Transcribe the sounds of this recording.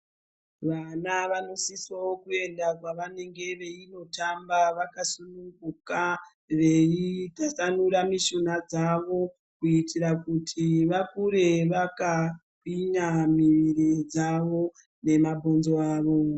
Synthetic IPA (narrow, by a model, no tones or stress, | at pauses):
ʋanaʋano̞sisaokue̞ndakwaʋane̞ŋɡe̞ʋe̞ino̞tambaʋakasunuŋɡuka | ʋe̞itasanuɾamiʃonad͡zaʋo̞ | kuitiɾakutʰiʋakuɾe̞ʋakakiɲamiʋiɾid͡zaʋo̞ | ne̞mabʱonzoaːʋo̞